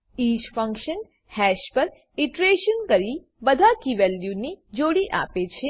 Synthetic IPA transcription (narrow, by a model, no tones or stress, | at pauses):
iːd͡ʒfə̃ŋkʃən | hɛʃpəɾ | iʈɾeʃənkəɾi | bəd̪ʱakiʋɛljunid͡ʒoɽiʔa̰pet͡ʃʰe